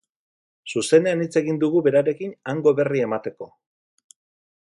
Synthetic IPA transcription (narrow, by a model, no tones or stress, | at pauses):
suse̞ne̞anit͡se̞ɣind̪uɣube̞ɾaɾe̞kinaŋɡo̞βe̞rie̞mat̪e̞ko̞